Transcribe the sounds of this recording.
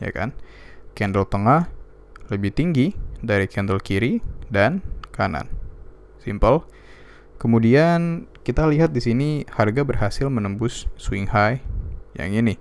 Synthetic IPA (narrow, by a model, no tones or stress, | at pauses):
ja̰ka̰n | kɛndəlt̪əŋah | ləbɪht̪iŋɡidaɾikɛndəlkiɾidankana̰n | simpəl | kəmudiankit̪aliɦat̪̚disiniharɡabərɦasɪlmənəmbʊsːwiŋhajja̰ŋini